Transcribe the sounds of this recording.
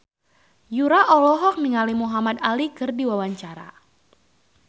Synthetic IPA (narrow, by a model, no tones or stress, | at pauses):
juɾaʔɔlɔɦɔk̚miŋalimuɦamat̪alikɨrdiwawaɲt͡ʃaɾa̰